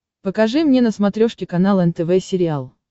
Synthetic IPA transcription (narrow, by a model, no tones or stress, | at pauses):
pəkɐʐɨmnʲenəsmɐt̪ɾʲo̞ʂkʲɪkɐnalˠɛnt̪ɛvɛsʲɪɾʲɪalˠ